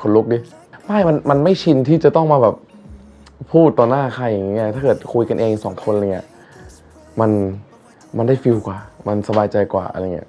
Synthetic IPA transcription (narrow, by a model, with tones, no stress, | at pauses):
kʰo˨˧˦lo˦˥˩k̚diː˧ | maː˥˩jma˧nma˧nma˥˩jt͡ɕʰi˧nt̪ʰiː˥˩t͡ɕa˨˩t̪ɔ˥˩ŋmaː˧bɛː˨˩p̚ | pʰːuː˥˩t̪ːɔː˧naː˥˩kʰa˧jːa˨˩ŋːi˦˥ɐt̪ʰaː˥˩kɤː˨˩t̪̚kʰu˧jka˧nʔeː˧ŋ˧sɔː˩˦ŋkʰo˧nʔŋːi˦˥ɐʔ | ma˧n | ma˧nda˥˩jfi˧wkwaː˨˩ma˧nsa˧baː˧jt͡ɕa˧jkwa̰ː˨˩ʔa̰˧ɾa˧ŋːḭ˦˥ɐʔ